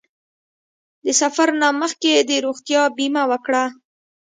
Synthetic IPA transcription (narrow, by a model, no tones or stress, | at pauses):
d̪əsafaɾnaməxked̪əɾoɣt̪jɑbimawəkɽa